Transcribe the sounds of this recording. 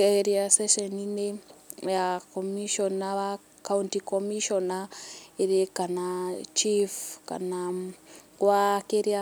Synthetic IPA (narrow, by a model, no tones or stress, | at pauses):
eɾiaseʃeninejakomiʃonaβa | kauntikomiʃonaeɾekanat͡ʃifka̰na | kwakeɾia